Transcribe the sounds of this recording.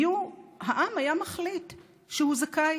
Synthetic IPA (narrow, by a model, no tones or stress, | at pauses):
juɦaʔamajamaχlit | ʃehuzakaj